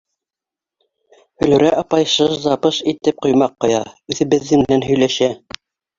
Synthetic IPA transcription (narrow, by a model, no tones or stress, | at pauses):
hɵ̆lʉ̆ɾæʔɑpɑjʃɤʃzɑpɤʃit̪ɘp̚qŏjmɑqːŏjɑ̰ʉðɘ̆bɘ̆ðːɘŋmɘ̆nænɦɵ̆jlæʃæ